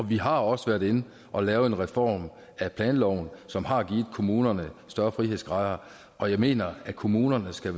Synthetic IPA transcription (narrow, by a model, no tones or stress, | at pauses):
ɒ̽ʋiɦɑ̈ɒ̽səʋæɐɾ̥e̝n | ʔɒ̽lɛːʊe̝nʁɛfɒ̰ːm | æpʰlɛːnlɒʊnsɒ̽mhɑ̈ɡ̥iːð̩ˠkʰo̝muːnɐnəsd̥ɶɐfʁiɦe̝ð̰ˠsɡ̥ʁɑ̈ðɐ | ɒ̽jɑ̈ɪme̝̰ːnɐækʰo̝muːnɐnəsɡ̥æ